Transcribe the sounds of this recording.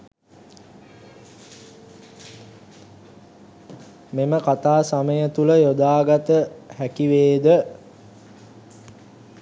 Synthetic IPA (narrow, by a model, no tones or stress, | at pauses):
meməkat̪aːsaməjət̪uləjod̪aːɡat̪əhækiʋeːd̪ə